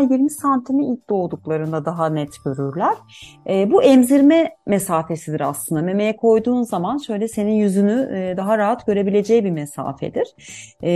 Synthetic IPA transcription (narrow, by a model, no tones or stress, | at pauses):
jiɾmisant̪ʰimiilʲt̚d̪o̞lˠd̪uklˠaɾɯnd̪ad̪aɦanɛt̪ɟ̥øɾyɾlʲæɾ̥ɛːbuʔɛmziɾmɛmesaːfe̞sid̪iɾa̰slˠɯnd̪ame̞me̞jɛkʰo̞jd̪uːnzamanʃø̞jlʲɛse̞ninjyzynyd̪aɦaɾaɦat̪ɟ̥ø̞ɾe̞bilʲe̞d͡ʒɛjbimesa̰ːfɛ̰d̪iɾ̥